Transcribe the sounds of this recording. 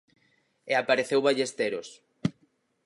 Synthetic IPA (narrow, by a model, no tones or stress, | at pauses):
eapaɾeθewβaʎest̪eɾos